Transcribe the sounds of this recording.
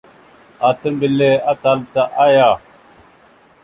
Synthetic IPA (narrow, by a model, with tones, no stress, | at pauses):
a˨tə˦mbə˨le˦a˦ta˨lta˦ʔa˦ja˦˨